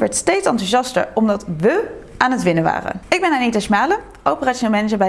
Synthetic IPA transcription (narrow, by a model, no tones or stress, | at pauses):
ʋɛɹtstejtsɑntuʒɑstə̰ɹɔmdɑtʋə | ʔaːnɦətʋɪnəʋa̰ːrə̰ɪɡ̚bɛnaːnitasmaːlə | ʔowpəraːʃoneːlˠmɛnəzəɹbɛ